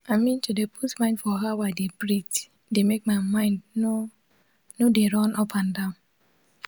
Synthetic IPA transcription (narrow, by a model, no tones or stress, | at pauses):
amĩn̩tudepʰusmãɪ̃ndfɔɦawadebɾit | demek̚maɪmãɪ̃ndo | nodeɾɔnʔɔpʰãndãʊ̃n